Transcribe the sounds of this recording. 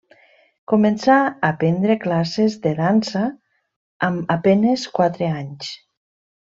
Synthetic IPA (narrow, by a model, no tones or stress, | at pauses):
komensaːpɛnd̪ɾeklasezðeðansaː | mapeneskwat̪ɾeaɲs